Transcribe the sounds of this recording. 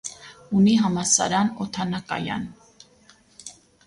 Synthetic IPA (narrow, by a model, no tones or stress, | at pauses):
uniɦɑmɑsɑ̰ɾɑnɔt̪ʰɑnɑkɑ̰jɑ̰n